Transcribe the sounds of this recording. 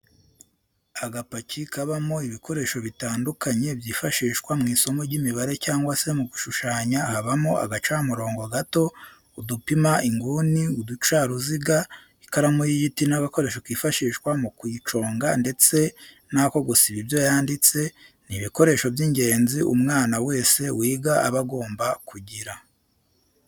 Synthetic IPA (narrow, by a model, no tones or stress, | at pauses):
aɡapacʰikaβamoiβikʰo̞ɾe̞ːʃo̞βitaːndukʰaɲe̞bjiːfaʃiːʃkwamŋiːso̞mo̞ɟimiβaɾe̞caːŋɡwase̞muɡuʃuʃaːɲahaβamoa̰ɡat͡ʃaːmuɾo̞ːŋɡoɡato̞ | udupimaʔiŋɡuniudut͡ʃaːɾuziɡa | ikaɾamujiɟitinaɡako̞ɾe̞ːʃokwiːfaʃiːʃkwamukwiːt͡ʃo̞ːŋɡande̞t͡se̞ | nako̞ɡusiβibjo̞jaːndit͡se̞ | niβiko̞ɾe̞ːʃobjiɲɟe̞ːnziʔṵmŋaːnawe̞ːse̞wiːɡaa̰βaɡo̞ːmbakuɟiɾa